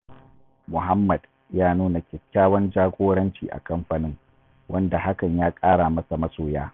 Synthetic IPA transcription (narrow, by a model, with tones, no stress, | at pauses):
mʊ˨ɦa˦mːɐ˨d̥ | jaː˦nuː˦na˨kʲɛ˨kʲːaː˦wɐ˦nd͡ʒaː˦ɡʷoː˦ɽɐ˦nt͡ʃḭː˨ʔa̰˨kɐ˦mɸa˨nɪ˦ŋ | wɐ˦nda˨ha˦kɐ˨ɲjaː˦kʼaː˦ɽa˨mɐ˦sa˨mɐ˦soː˨jaː˦